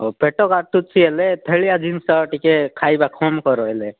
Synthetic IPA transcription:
ɔpeʈɔkat̪ut̪̚t͡ʃʰielet̪ʰəɭijad͡ʒinsəʈikekʰajbakʰɔmkɔɾɔɦele

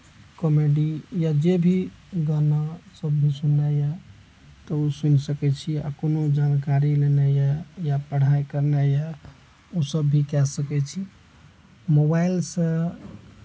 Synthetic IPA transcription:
kɔmeɖijad͡ʒebʱi | ɡanasəbːʱisunajɛ | t̪ɔusunsəkɛt͡ʃʰia̰konod͡ʒankaɾilenajɛjapəɽ̤ajkəɾnɛjɛ | osəbːikɛsəkɛt͡ʃʰi | mobailsə̃

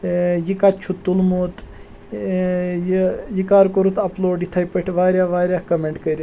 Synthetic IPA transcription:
jikat͡ʃʰut̪ːulmut̪ | jijikaːɾkoɾut̪ʰɐploːɖit̪ʰɐjpəʈʰʲʋaːɾʲjaːʋaːɾʲjaːkɐmeɳʈkəɾʲ

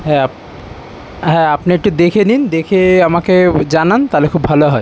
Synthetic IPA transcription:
ɦɛa | ɦɛapniek̚ʈud̪ekʰenind̪ekʰeamaked͡ʑanant̪alekʰubʱaloɦɔe

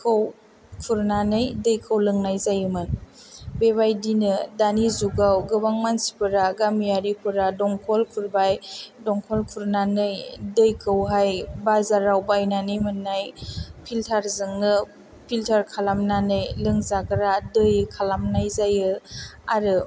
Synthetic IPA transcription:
kʰɯw | kʰuɾnanɯjdɯjkʰɯwlɯŋnajzajɯmɯn | beβajdinɯdanizuɡawɡɯbaŋmansi̥pɯɾaɡamjaɾipʰɯɾadɔŋkʰɔlkʰuɾbajdɔŋkʰɔlkʰuɾnanɯjdɯjkʰɯwɦajbazaɾawbajnanɯjmɯnːajpʰiltʰaɾzɯŋnɯ | pʰiltʰaɾkʰalamnanɯjlɯŋzaɡɯɾadɯjkʰalamnajzajɯaɾɯ

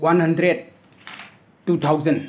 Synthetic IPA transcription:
wanhɐndɾed̚ | utʰawzɐn

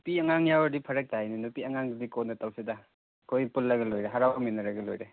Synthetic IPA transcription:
nupiɐŋaŋjawɐɾdipʰɐɾɐk̚tajninupiɐŋaŋdikonːɐtawsida | kʰojpulːɐɡɐlojɾeɦaɾawaminɐɾɐɡɐlo̰jɾe

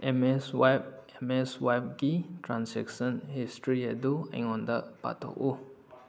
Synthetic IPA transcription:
ʔɛ̃mɛswapɛmɛswajp̚ɡitʰɹãnsɛ̰ksə̃nhistɹiɛduɛ̰̃ŋɔ̃ndəpa̰tɔ̰ʔo

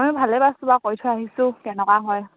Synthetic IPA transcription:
amibʱalɛbastubakɔjtʰɔaɦisʊkɛnɛkaɦɔj

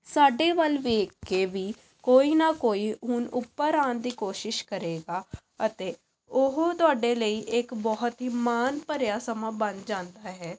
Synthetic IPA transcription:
saːɖeːʋəlʋeːkːeːʋiː | koːiːnaːkoːiːɦʊnʊpːəɾaːnd̪iːkoːʃɪʃkəɾeːɡaː | ət̪eː | ʊɦot̪ʊaːɖeːləiːʔɪkbɔɦt̪ɦimaːnpəɾjaːsəmaːbənd͡ʒãːnd̪aːɦɛː

